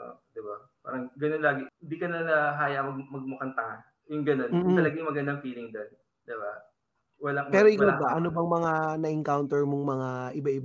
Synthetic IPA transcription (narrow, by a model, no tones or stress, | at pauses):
ʔo̰d̪ɪba | pa̰ːɾɐŋɡɐnonlaːɡɪhɪnd̪iːkɐnɐnɐɦaːjɐmɐɡ̚mɐɡ̚mʊkɐnt̪ɐŋa | jʊŋɡɐno̞nmːɐlɐɡajmɐɡɐnd̪ɐŋfiːlɪŋd̪on | d̪̥ɪba | wɐlaŋpɛːɾoʔɪɡabaʔɐnobɐŋmɐŋanɐʔɪŋkawnt̪ɛɹmoŋmɐŋaʔɪbaʔɪb